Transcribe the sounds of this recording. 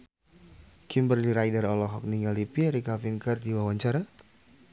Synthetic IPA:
kimbərliɾajdəɾɔlɔɦɔk̚niŋalipiaɾikafiŋkərdiwawaɲt͡ʃaɾa

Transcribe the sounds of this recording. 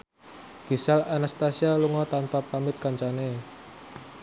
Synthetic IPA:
ɡ̥isalanast̪asialuŋɔt̪anpapamɪt̪̚kaɲt͡ʃane

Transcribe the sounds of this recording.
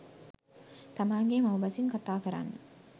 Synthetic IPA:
t̪amaːŋɡemɐwbɐsiŋkat̪aːkəɾa̰nːə

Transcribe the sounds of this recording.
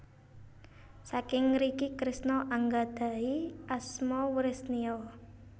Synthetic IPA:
sakɪŋɾikikɾɪsnɔʔaŋɡad̪̥a̤iʔasmɔwəɾɪsniɔ

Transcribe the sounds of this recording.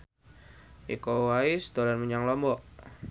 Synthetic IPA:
ʔḭkɔwaisd̪̥ɔɾanməɲaŋlɔmbɔʔ

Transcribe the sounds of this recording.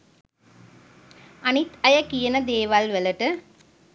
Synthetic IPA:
ɐnɪt̪ɐjɐkijɐnɐd̪eːʋaːlʋɛlɐʈːɯ

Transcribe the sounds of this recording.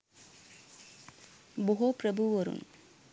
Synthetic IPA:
bɔɦopɾɐbuʋɐɾṵn

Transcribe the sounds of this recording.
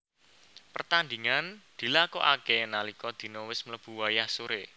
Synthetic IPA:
pərt̪and̪i̤ŋand̪̥i̤lakɔ̰ʔakɛnalikɔd̪̥i̤nɔwɪsmləb̥ṳwajahsoɾe

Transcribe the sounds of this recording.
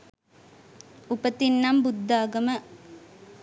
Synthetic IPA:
upət̪inːɐmbud̪ːaːɡɐmə

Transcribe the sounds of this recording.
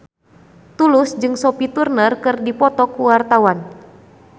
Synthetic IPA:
t̪ulʊsd͡ʒɨŋsopit̪urnərkɨrdipɔt̪ɔkuwart̪awan

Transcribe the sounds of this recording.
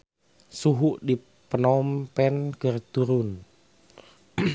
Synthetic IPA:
suɦuʔdi | pənɔmpɛnɡ̥ərd̪̥uɾun

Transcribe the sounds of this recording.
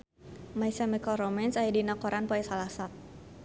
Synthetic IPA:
majsamɛkɔlrɔmɛnsaidinakɔɾʔanpɔɛsalasat̪̚

